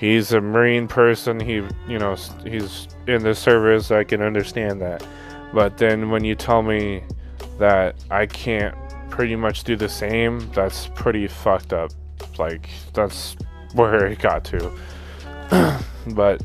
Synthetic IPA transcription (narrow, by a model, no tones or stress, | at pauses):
hizɨmə˞ĩnpʰɜ˞sɨ̃nijɨnoʊs | hiz | ɪ̃nðɨsɜ˞vɨsaɪkɨ̃nʌ̃ndə˞stæ̃nðæt̚ | b̥ʌt̪̚ðɨ̃nwə̃njɨtʰɛlˠmi | ðɨɾʔaɪkʰæ̃nt̚ | pʰɹ̥ɪɾimʌt͡ʃd̥ɨðɨsẽɪ̃mðætspʰɹ̥ɪɾifʌk̚tʌp̚ | la̰ɪk | ðæts | wə˞aɡ̥ɑ̰tʰʉ | b̥ʌt̚